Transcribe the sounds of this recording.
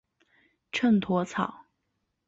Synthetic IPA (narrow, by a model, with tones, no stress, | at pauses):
ʈ͡ʂʰə˥˩nt̪ʰwɔ˧˥t͡sʰɑ˨˩˦ʊ